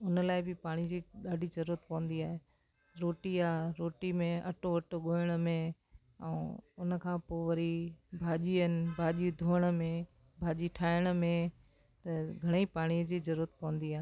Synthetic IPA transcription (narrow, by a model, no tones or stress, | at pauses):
ʊnəlaːɪbɪpaːɽ̃id͡ʑiːɗaːɖʱizɐɾuːɾət̪̚pɐʋə̃nd̪iaːɦeː | ɾoːʈiaːɾoːʈimẽɐ̰ʈoʋɐʈoɠoːəɽ̃əmẽ | ɛ̰̃ːʊnəkʰãːpoːʋɐɾibʱaːʄiənɪ̆bʱaːʄiud̪ʱoːəɽ̃ə̆mẽ | bʱaːʄiʈʰaːɪɽ̃ə̆mẽ | t̪ɐɡʱɐɽ̃eipaːɽ̃iəd͡ʑiːzɐɾuːɾət̪̚pɐʋə̃nd̪iaːɦe